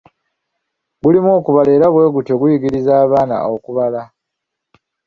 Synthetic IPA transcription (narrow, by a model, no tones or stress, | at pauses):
ɡulimoːkuβale̞ːɾaβwe̞ːɡuto̞ɡujiɡiɾizaːβaːna̰okuβala